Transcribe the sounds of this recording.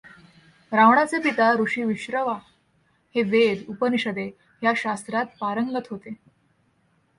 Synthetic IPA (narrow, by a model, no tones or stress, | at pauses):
ɾaʋɳat͡sepit̪aɾuɕiːʋiɕɾəʋa | heʋed̪upəniɕəd̪e | jaɕast̪ɾat̪̚paɾəŋɡlət̪ɦot̪e